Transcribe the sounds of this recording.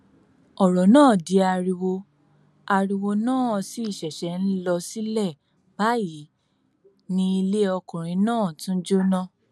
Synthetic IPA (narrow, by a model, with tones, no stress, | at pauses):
ɔ˨ɾɔ˨nãː˦˨di˧a˧ɾi˧wo˧ | a˧ɾi˧wo˧nãː˦˨˧si˦i˦˨ʃɛ˨ʃɛ˨˦n̩˦lɔ˧si˦lɛ˦˨ | ba˨˦ji˨˦ | nĩ˧i˧le˦ɔ˧kũ˨ɾ̃ĩ˨˧nãː˦˨tũ˦d͡ʒo˦nã˦˨